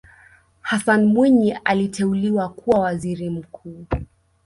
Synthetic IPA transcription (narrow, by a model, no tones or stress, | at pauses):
hasanmwiɲiʔalitɛuliwakuwawaziɾim̩kʰuː